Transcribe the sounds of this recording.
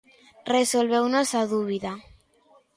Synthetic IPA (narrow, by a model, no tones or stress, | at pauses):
resolβewnosaðuβ̞iða